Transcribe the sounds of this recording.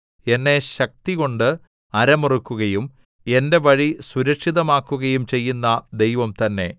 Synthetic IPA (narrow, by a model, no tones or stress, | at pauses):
e̞nːe̞ɕɐk̚t̪iɣo̞ɳɖɨ | ɐɾɐmurukːuɣɐjum | e̞nde̞ʋɐɻisuɾɐkʂiðɐmaːkːuɣɐjumt͡ɕe̞jːunːɐd̪e̞jʋɐmt̪ɐnːe̞